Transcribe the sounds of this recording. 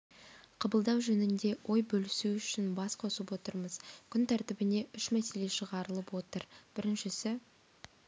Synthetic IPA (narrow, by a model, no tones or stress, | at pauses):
qʰɑbəlˠd̪ɑwʒɵnɪnd̪e̞wʔo̞jbɵlɪsuʏʃɪnbɑsqʰo̞səpwo̞t̪əɾməzkʲʰʏnt̪ʰæɾt̪ɪbɪne̞ʏʃmæse̞le̞ʃəʁɑɾəlˠəpwo̞t̪əɾb̥ɪɾɪnʃɪsɪ